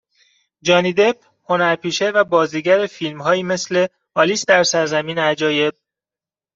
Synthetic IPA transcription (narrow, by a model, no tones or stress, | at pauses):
d͡ʒɒːniːd̪e̞b̚ | ho̞næɾpʰiːʃe̞væbɒːziːɟæɾefiːlmɦɒːjiːme̞sle̞ | ɒːliːsd̪æɾsæɾzæmiːneæd͡ʒɒːje̞b̚